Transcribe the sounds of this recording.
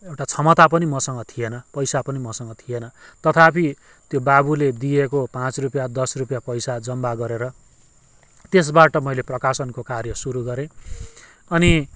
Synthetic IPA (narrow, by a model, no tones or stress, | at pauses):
ewʈat͡sʰʌmʌt̪apʌnimʌsʌŋɡʌt̪ʰienʌpʌjsapʌnimʌsʌŋɡʌt̪ʰienʌt̪ʌt̪ʰapi | t̪jobabuled̪ijekopãt͡srupjad̪ʌsrupjapʌjsad͡zʌmbaɡʌɾeɾʌ | t̪es̬baʈʌmʌjleprʌkasʌnkokarjʌsuɾuɡʌɾẽ | ʌni